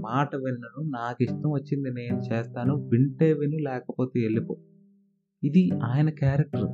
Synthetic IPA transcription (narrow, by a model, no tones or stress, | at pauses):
maːʈɐʋɛnːɐnunaːkiʂʈɐmʋɐt͡ʃːind̪ine̞ːnut͡ʃeːst̪aːnuʋiɳʈeːʋinulɛːkɐpo̞ːt̪eːeɭːipoː | id̪iaːjɐnɐkjaːɾek̚ʈɐɾu